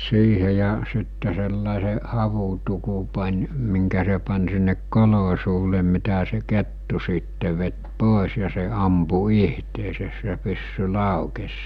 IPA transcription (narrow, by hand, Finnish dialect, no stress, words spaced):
siːhe jɑ sitːe selːɑˑese hɑʋutuku pɑnʲ miŋkæ se pɑn sinːek kolo suːle mitæ se ketːu siːtːe ʋet poˑes jɑ se ɑmpu ihteːses se pysːy lɑˑukes